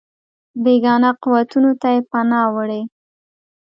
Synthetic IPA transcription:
beɡɑnaquwat̪unot̪ajepanɑwəɽe

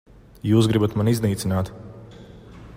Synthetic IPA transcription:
juːs̬ɡɾibat̪manizniːt̪sinaːt̪

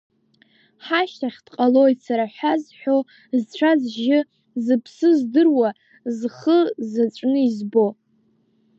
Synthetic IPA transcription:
ħaʃtaχʲd̥qʼalo̞jsaɾaħʷᶣazħʷᶣo̞ | zt͡ɕʷʰazʒɪ | zɨpʰsɨzdɨrwa | zχəzat͡ʃʷʼnɨizbo̞

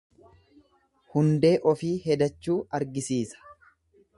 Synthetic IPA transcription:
hʊnd̪e̞ːʔɔfiːhɛd̪ɐt͡ʃːuːɐɾɡɪsiːsɐ̥

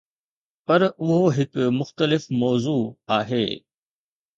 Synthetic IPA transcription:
pɐɾʊɦoɦɪkmʊxt̪əlɪfmɔːzuːaːɦḛː

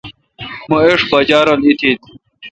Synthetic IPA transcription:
moeʂbɐd͡ʑaːɾɐlit̪ʰit̪̚

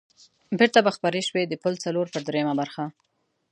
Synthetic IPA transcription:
beɾt̪abaxpaɾeʃwed̪əpəlt͡saloɾpəɾd̪ɾejmabaɾxa

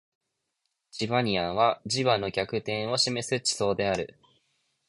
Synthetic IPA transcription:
t͡ɕiβaɲ̟iãβ̞ad͡ʑiβano̞kʲakɯ̟t̪ẽ̞ɰ̃o̞ɕime̞sɨt͡ɕi̥so̞ːd̪e̞aɾɯ̟̰

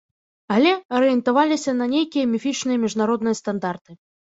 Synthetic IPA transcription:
alʲɛɐɾɨjɛnt̪avalʲisʲɐnɐnʲejkʲijɐmʲifʲit͡ʂnɨjɐmʲiʐnaɾɔd̪nɨjɐst̪and̪art̪ɨ

